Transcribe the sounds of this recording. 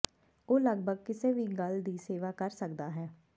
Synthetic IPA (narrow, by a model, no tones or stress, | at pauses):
oːləɡ̚bʱəɡkɪseːʋiːɡəld̪iːseːʋaːkəɾsəkd̪aːɦɛː